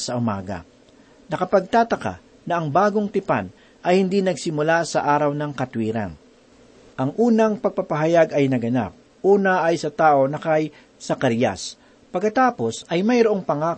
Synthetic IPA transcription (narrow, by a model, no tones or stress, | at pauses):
sɐʔʊma̰ːɡɐ̰ | nɐkɐpɐɡ̚t̪aːt̪ɐka̰ | nɐʔɐŋbaːɡo̞ŋt̪ɪpa̰n | ʔɐjhɪnd̪inɐɡsɪmʊlasɐʔaːɾɐwnɐŋkɐt̪wiːɾɐ̰ŋ | ʔɐŋʔuːnɐŋpɐɡ̚papɐɦɐjaɡɐjnɐɡɐna̰p̚ | ʔuːnɐʔːjsɐt̪aːʔo̞nɐkɐj | sɐkaɾja̰s | pɐɡkːɐt̪aːpo̞sɐjmɐjɾoʔo̞ŋpɐŋaː